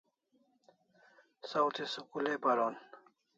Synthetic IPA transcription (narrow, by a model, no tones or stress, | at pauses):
sawt̪ʰesukulepaɾoːn